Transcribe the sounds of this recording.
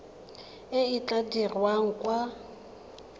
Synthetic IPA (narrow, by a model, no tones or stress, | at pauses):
ɪit͡ɬadirwaŋ̩kʼwa